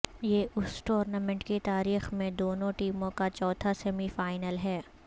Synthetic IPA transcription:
jeːʔʊsʈoːɾnamɛ̃ɳʈkit̪aːɾiːxmẽd̪oːnõʈiːmõkat͡ʃɔːt̪ʰasɛmifaːɪnəlɦɛː

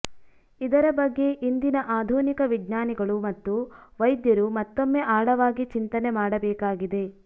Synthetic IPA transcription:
id̪ɐɾɐbɐɡːe̞ʔind̪inɐʔaːd̪ʱuːnikɐʋiɡɲaːniɡɐɭumɐt̪ːuʋɐjd̪jɐɾumɐt̪ːomːeʔaːɭɐʋaːɡit͡ʃint̪ɐnemaːɽɐbɛːkaːɡid̪e̞

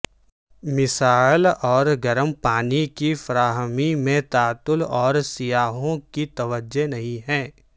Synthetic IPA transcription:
mɪsaːɪlɔːɾɡɐɾəmpaːnikifɐɾaːɦmimẽt̪aːt̪ʊlɔːɾsijaːɦõkit̪ɐʋəd͡ʒenɐɦĩɦɛ̃ː

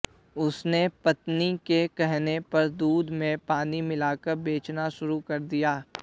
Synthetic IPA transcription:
ʊsnepɐt̪nikekɛɦnepɐɾd̪uːd̪ʱmẽpaːnimɪlaːkɐɾbeːt͡ʃnaʃʊɾukɐɾd̪ijaː

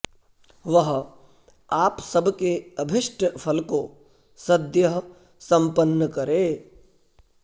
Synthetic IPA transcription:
ʋɐɦ | aːpsɐbkeɐbʱɪʃʈəpʰɐlko | sɐd̪jəɦ | sɐ̃mpənːəkɐɾeː

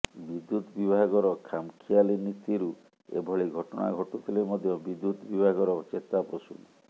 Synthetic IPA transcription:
bid̪ːut̪bibʱaɡɔɾɔkʰamkʰialinit̪iɾu | ḛbʱɔɭiɡʱɔʈɔna̰ɡʱɔʈut̪ʰilemɔd̪ʱjɔbid̪ːut̪ɔbibʱaɡɔɾɔt͡ʃet̪aposṵl

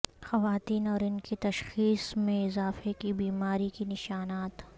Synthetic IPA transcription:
xɐʋaːt̪iːnɔːɾɪnkit̪ɐʃxiːsmẽɪzaːfekibiːmaːɾikinɪʃaːnaːt̪

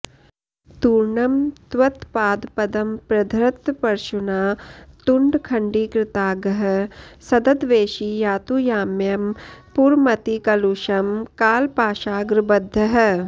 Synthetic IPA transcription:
t̪uːɾɳɐmt̪ʋɐt̪paːd̪pɐd̪ɐmpɾɐd̪ʱɾɐt̪pɐɾʃunaːt̪uɳɖkʰɐɳɖiːkɾɪt̪aːɡɐɦɐ̆sɐd̪ɐd̪ʋeːʃijaːt̪ujaːmjɐmpuɾmɐt̪ikɐluːʃɐmkaːlpaːʃaːɡɾɨbɐd̪ʱːɐɦɐ̆

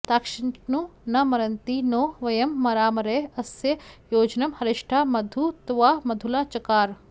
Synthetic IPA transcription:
t̪aːkʃɪɳnunɐmɐɾɐnt̪inoːʋɐjɐmːɐɾaːmɐɾeɐsjɐjoːd͡ʒnɐmhɐɾɪʂʈʰaːmɐd̪ʱut̪uʋaːmɐd̪ʱulaːt͡ʃɐkaːɾ

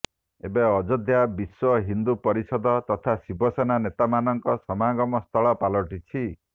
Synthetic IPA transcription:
ebeɔd͡ʒɔd̪jabiswɔɦind̪upɔɾisɔd̪ɔt̪ɔt̪ʰasibʱɔsananet̪amanɔŋkɔsɔmaɡɔmɔst̪ʰɔɭɔpalɔʈit͡ʃʰi

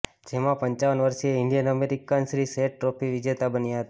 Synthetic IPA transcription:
d͡ʒemãpəɲt͡ʃaʋənʋəɾʃieɪɳɖijənəmeɾikansɾiseʈʈːɾopʰiʋɪd͡ʒet̪abənjaɦət̪a

